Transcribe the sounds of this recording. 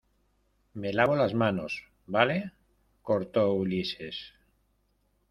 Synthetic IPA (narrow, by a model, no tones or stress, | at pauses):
me̞laβolazmãnos | bale | koɾt̪oulises